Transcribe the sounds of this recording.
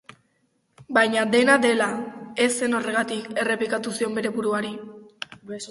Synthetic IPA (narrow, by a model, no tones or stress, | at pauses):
bajɲad̪e̞nad̪e̞lae̞se̞no̞re̞ɣat̪ike̞re̞plikat̪usio̞mbe̞ɾe̞βuɾuaɾi